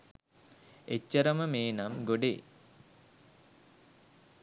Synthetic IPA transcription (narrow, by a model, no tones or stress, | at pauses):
et͡ʃːəɾəməmeːnamɡoɖḛ